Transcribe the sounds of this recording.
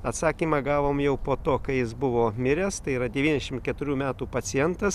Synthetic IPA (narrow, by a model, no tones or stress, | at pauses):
ɐt̪sɑːkʲiːmɑɡɑːʋoːmjɛʊpoːt̪oːkɐɪjɪsbʊʋoːmʲɪɾʲɛst̪ɐɪiːɾɐd̪ʲɛʋʲiːnʲdʲɛʃʲɪmt̪kʲɛt̪ʊɾʲuːmʲæːt̪uːpɐt̪sʲɪjɛnt̪ɐs